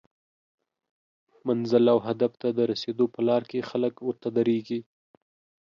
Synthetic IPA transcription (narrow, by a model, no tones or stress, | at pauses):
manzɪlawɦad̪aft̪ad̪əɾased̪opəlɑɾkexaləkwʊɾt̪ad̪aɾeɡi